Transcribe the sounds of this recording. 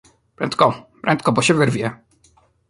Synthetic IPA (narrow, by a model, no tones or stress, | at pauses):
pɾɛ̰nt̪̚kɔpɾɛ̰nt̪kɔbɔɕɛvɘɾvʲjɛ